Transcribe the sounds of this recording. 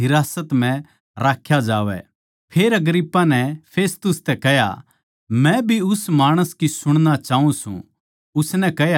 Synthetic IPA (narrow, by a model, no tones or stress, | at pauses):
ɦɪɾaːsət̪m̤ɛ̃ | ɾaːkʰjad͡ʒaːʋɛ̰ | pʰeːɾɐɡɾipːanɛpʰeːst̪ʊst̪ɛkɛɦja̰ | mɛ̃bʱiʊsmaːɽ̃əskisʊɽ̃nat͡ʃaːũsṵ̃ | ʊsnɛkɛɦja